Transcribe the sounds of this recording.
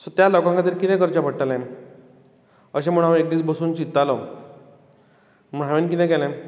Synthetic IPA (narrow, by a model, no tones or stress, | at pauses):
sɔt̪jalɔkãŋkat̪iːɾkit̪ɛ̃kəɾt͡ɕapəɽʈalɛ̃ | əɕẽm̤əɽ̃aʋek̚d̪iːt͡sbəsuːnt͡ɕit̪ːalɔ | məɳ̤aʋenkit̪ɛ̃kɛlɛ̃m